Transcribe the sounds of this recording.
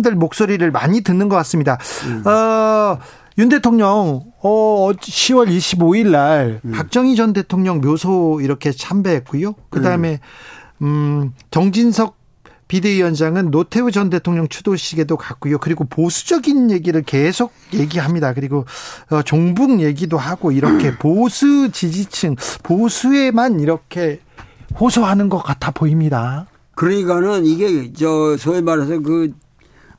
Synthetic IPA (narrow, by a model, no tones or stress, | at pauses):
dɯɭmok̚s͈oɾiɾɯɭmaɲitɯnːɯnɡʌk͈as͈ɯmɲidaʌ | junde̞tʰoŋɲʌŋ | ʌʌɕʰiwʌɾiɕʰiboiɭːaɭpak̚t͡ɕ͈ʌŋid͡ʑʌnde̞tʰoŋɲʌŋmjosʰoiɾʌkʰe̞t͡ɕʰambe̞ɦet̚k͈ujokɯdaɯme̞ | t͡ɕʌŋd͡ʑinsʰʌk̚ | pideijʌnd͡ʑaŋɯnːotʰe̞ud͡ʑʌnde̞tʰoŋɲʌŋt͡ɕʰudoɕʰiɡe̞dokak̚k͈ujokɯɾiɡoposʰu̥d͡ʑʌɡinje̞ɡiɾɯɭke̞sʰok̚je̞ɡiɦamɲidakɯɾiɡoʌt͡ɕoŋbuŋje̞ɡidoɦaɡoiɾʌkʰe̞posʰut͡ɕid͡ʑit͡ɕʰɯŋposʰue̞maniɾʌkʰe̞ | hosʰʌɦanɯnɡʌk͈atʰapoimɲida | kɯɾiɡanɯniɡet͡ɕʌsʰʌiɭmaɾes̬ʰʌkɯ